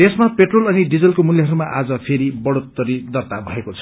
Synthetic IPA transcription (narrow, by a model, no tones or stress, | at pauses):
t̪esmapeʈrolʌniɖid͡zʌlkomuljaɦʌɾumaʔad͡zʌpʰeɾibʌɽot̪ːʌɾid̪ʌrt̪abʱʌekot͡sʰʌ